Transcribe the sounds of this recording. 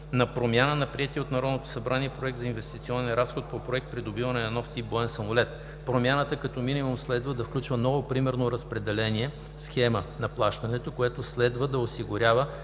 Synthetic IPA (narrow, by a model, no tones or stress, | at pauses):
nɐpɾomʲjanənɐpɾiɛt̪iɛot̪nɐɾɔd̪not̪o̥sɐbɾaniɛpɾoɛk̚t̪zɐinvɛst̪it̪siɔnɛnɾasxot̪̚popɾoɛk̚t̪̚pɾid̪obivɐnɛnɐnɔft̪ipboɛnsɐmolɛt̪ | pɾomʲjanət̪əkɐt̪ɔminimumslɛd̪vəd̪ɐfklʲut͡ʃvənɔvopɾimɛɾnoɾɐspɾɛd̪ɛlɛniɛ | sxɛmənɐplˠaʃt̪ɐnɛt̪okoɛt̪oslɛd̪vəd̪ɐosiɡʊɾʲavə